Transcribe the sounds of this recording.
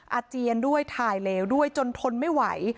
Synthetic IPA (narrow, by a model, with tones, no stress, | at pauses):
ʔa˧t͡ɕi˧əndu˥˩əjt̪ʰaː˧jleː˧wdu˥˩əjt͡ɕo˧nt̪ʰo˧nma˥˩jwa̰˩˦j